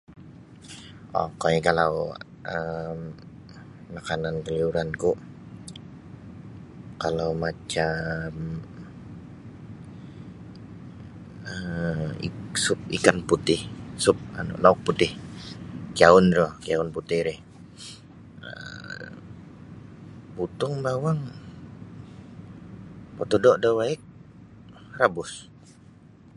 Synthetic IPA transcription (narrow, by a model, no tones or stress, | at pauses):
ʔɔ̰kaɛkalaw | ʔəmː | akanankəliuɾankʊʔ | kalawmat͡ʃam | əḭsʊp̚ikanput̪ɪhsʊp̚a̰nʊ̰laʊk̚put̪ɪh | kiaʊnɾɔkijaʊnput̪ɪhɾɪh | ə̰ | but̪ʊŋbawaŋ | pot̪ɔdɔʔdɔwaɛk̚ | rabʊs